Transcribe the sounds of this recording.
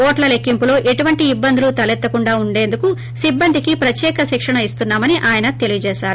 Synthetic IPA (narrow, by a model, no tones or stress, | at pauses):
oːʈlɐle̞kːimpulo̞ːʔeʈuʋɐɳʈiːbːɐnd̪iulut̪ɐlet̪ːɐkuɳɖaːuɳɖe̞ːnd̪uku | sibːɐnd̪ʱikipɾɐtjɛːkɐʃikʂɐɳɐist̪unːaːmɐniʔaːjɐnɐt̪e̞lijut͡ʃeːʃaːɾu